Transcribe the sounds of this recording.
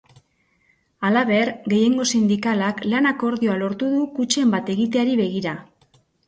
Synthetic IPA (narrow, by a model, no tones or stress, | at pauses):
alaβe̞ɾɡe̞je̞ŋɡo̞sind̪ikalaklanako̞ɾðio̞alo̞ɾt̪uðukut͡ʃe̞mbat̪e̞ɣit̪e̞aɾiβe̞ɣiɾa